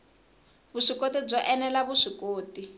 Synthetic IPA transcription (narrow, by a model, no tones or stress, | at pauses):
βuʂikotib͡ʐɔʔɛnɛlaβuʂikoːti